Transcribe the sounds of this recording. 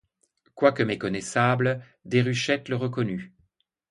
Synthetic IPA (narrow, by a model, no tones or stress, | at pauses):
kwakəmekɔnɛsabl | d̪eʁyʃɛt̪ləʁəkɔny